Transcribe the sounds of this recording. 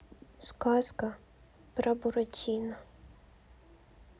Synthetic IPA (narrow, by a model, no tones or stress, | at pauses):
skɑskɐ | pɾɐbʊɾɔtʲinɐ